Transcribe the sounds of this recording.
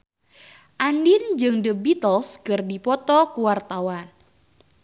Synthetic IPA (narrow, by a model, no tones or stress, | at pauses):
ʔandind͡ʒɨŋdəbit̪əlskɨrdipɔt̪ɔkuwart̪awan